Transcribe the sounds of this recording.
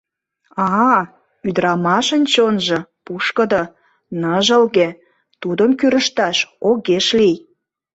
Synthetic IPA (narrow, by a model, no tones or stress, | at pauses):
ɑ | yd̪əɾɑmɑʃənʲt͡ɕonʒɤ̆puʃkə̆d̪ə | nəʒəlɣe | t̪ud̪əmkyɾəʃt̪ɑʃoɣeʃlij